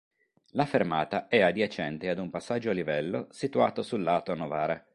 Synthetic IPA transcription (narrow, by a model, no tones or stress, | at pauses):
lafermaːt̪aɛad̪jat͡ʃɛnt̪ead̪umpasːad͡ʒːoalivɛlːosit̪uaːt̪osulːaːt̪onovaːɾe